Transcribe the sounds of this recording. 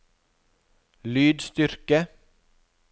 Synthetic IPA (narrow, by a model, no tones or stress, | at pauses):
lyːd̪st̪ʏɾkə